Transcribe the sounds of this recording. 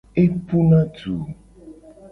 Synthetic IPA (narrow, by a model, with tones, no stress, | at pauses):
e˦pu˦nã˦tu˨